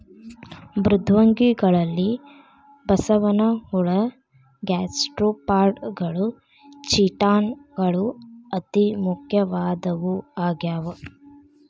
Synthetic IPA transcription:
bɾud̪ʱʋɐŋɡiɡɐɭɐlːi | bɐsɐʋɐnɐhuɭɐ | ɡaːsʈɾuːpaːɾɖɡɐɭu | t͡ʃiʈaːnɡɐɭuɐt̪imukʰjɐʋaːd̪ɐʋuaːɡjaːʋɐ

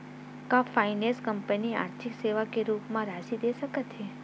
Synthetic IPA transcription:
kãfainẽskəmpənia̰ɾt̪ʰikseʋakeɾupmãɾaʃid̪eʃəkət̪ʰe

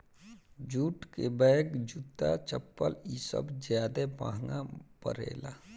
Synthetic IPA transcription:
d͡ʒuːʈkebəkd͡ʒut̪ːat͡ʃəpːəlisə̰bd͡ʒjaːd̪epa̰ɦŋapə̰ɾḛːla

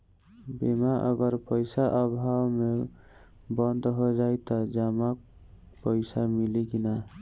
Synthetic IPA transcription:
bemaʔə̰ɡəɾpəjsaʔəbʱawme | bənd̪ɦod͡ʒajt̪ɔd͡ʒəmak | pəɪsamilikina

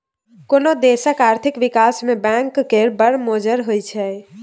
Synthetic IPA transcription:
konod̪esəkaɾt̪ʰikʋikasmebɛ̃ŋkːeɾbəɽmod͡ʒəɾɦojt͡ʃʰɛ

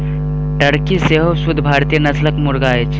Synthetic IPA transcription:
ʈəɽkiseɦosʊd̪ʱbʱaːɾt̪ijənɐsləkmʊɾɡaːet͡ʃʰ

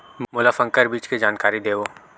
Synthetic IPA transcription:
mʊlafɐ̃ŋkəɾbiːt͡ʃked͡ʒaːnkaːɾid̪eːʋoː

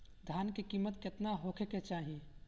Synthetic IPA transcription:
d̪ʱjaːnkekiːmːət̪ket̪naɦokʰeket͡ʃaːɦi

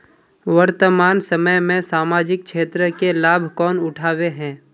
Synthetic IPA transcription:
wəɾt̪əmaːnsəməjmẽsaːmaːd͡ʒɪk̚kʃeːt̪ɾəkelaːbʱkɔːnʊʈʰaːweɦɛ̃ː

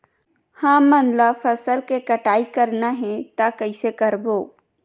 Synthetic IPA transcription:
hãːmɐnlafɐsəlkekɐʈaːikɐɾnaɦɛ̃t̪akɐɪsekɐɾboː

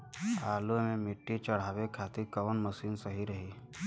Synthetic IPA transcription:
aːlumẽmɪʈːit͡ʃəɽ̤aːʋekʰaːt̪iɾkəʋənməsiːnsəɦiɾəɦiː

